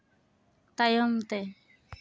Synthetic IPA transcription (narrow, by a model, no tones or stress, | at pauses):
t̪ajɔmt̪ɛ